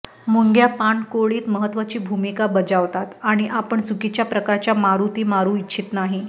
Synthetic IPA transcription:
muŋɡjapaɳkoɭiːt̪məɦət̪ʋat͡ɕiːbʱumikabəd͡zaʋt̪at̪aɽ̃iʔapəɳd͡zukit͡ɕjapɾəkaɾt͡ɕjamaɾut̪iːmaɾuːitːt͡ɕʰiːt̪naɦi

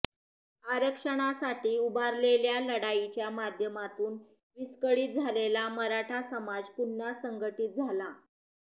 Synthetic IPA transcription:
aɾəkʂəɽ̃asaʈiːubʱaɾleljaləɽait͡ɕjamad̪ʱjəmat̪uːn | ʋiskəɭiːt̪̚d͡zʱalelaməɾaʈʰasəmad͡zpunːasəŋɡəʈiːt̪̚d͡zʱala

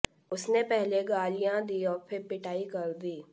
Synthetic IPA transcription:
ʊsnepɛɦleɡaːlijãd̪iːɔːɾpʰɪɾpɪʈaːikɐɾd̪iː

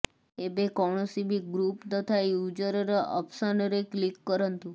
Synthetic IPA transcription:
ebekɔɳ̃osibiɡɾupt̪ət̪ʰajud͡ʒəɾəɾeə̰psənɾeklikːəɾənt̪ũ

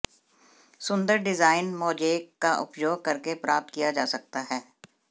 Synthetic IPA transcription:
sʊ̃nd̪əɾɖɪzaːɪnmɔːd͡ʒeːkːaʔʊ̰pjoːɡ̚kɐɾkepɾaːp̚t̪̚kijad͡ʒaːsɐk̚t̪aɦɛː

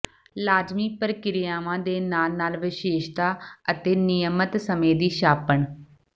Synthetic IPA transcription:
laːd͡ʒmiːpəɾkɪɾɪjaːʋãːd̪eːnaːlnaːlʋɪʃeːʃt̪aːət̪eːnɪjəmət̪səmẽːd̪iːʃaːpəɳ

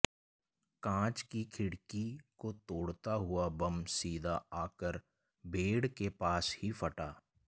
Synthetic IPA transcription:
kãːt͡ʃkikʰɪɽkikot̪oːɽt̪aɦʊabɐmsiːd̪ʱaaːkəɾ | bʱeːɽkepaːshifɐʈaː

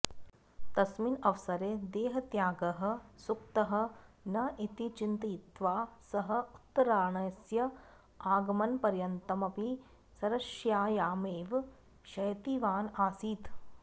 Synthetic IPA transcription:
t̪ɐsminɐʋsɐɾeːd̪eːɦɐt̪jaːɡɐɦɐ̆sukt̪ɐɦɐ̆nɐʔit̪it͡ʃint̪it̪ʋaːsɐɦɐ̆t̪ɐɾaːɳɐjɐsjɐ | aːɡɐmɐnpɐɾjɐnt̪ɐmɐpi | sɐɾɐʃjaːjaːmeːʋ | ʃɐjt̪iʋaːnaːsiːt̪

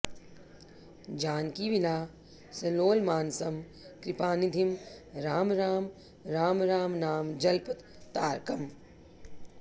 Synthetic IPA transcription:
d͡ʒaːnkiːʋinaː | sɐnoːlmaːnsɐm | kɾipaːnid̪ʱimɾaːmɾaːm | ɾaːmɾaːmnaːmd͡ʒɐlpɐt̪ | t̪aːɾkɐm

